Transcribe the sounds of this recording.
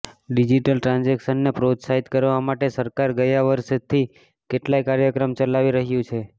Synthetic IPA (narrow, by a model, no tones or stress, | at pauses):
ɖid͡ʒiʈəlʈɾãnd͡ʒekʃənːepɾot̪saɦit̪kəɾʋamaʈesəɾkaɾɡəjaʋəɾʃt̪ʰi | keʈlajkaɾjəkɾəmt͡ʃəlaʋiɾəɦjũt͡ʃʰe